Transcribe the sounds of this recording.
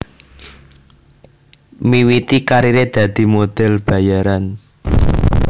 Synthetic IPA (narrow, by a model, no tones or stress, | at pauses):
miwit̪ikaɾiɾed̪̥ä̤d̪̥i̤mod̪̥ɛ̤lb̥ä̤jaɾan